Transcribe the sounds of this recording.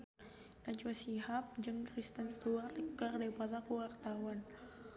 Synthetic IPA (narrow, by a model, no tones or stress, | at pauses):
dant͡ʃuasiɦap̚d͡ʒɨŋkɾist̪ənst̪uart̪əkərdaipat̪akuwart̪awan